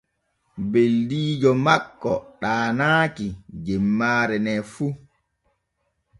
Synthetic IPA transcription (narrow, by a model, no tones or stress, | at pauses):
beldiːd͡ʒɔmakːɔ̰ɗaːnaːkid͡ʒɛmːaːɾɛnɛfu